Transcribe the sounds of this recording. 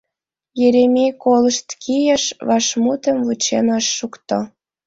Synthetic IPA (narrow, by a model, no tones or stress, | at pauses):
jeɾemʲekolə̆ʃt̪kʰijəʃβɑʃmut̪ə̆mvut͡ɕenɑʃːukt̪o